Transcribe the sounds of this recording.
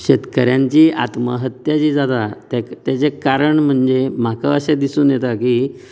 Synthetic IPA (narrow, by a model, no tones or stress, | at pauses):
ɕet̪kəɾjãɲt͡ɕiːa̰t̪məɦət̪jat͡ɕiːd͡zat̪at̪t̪jat͡sekaɾəɳm̤əɳd͡zem̤akəəsed̪isuːnjet̪akiː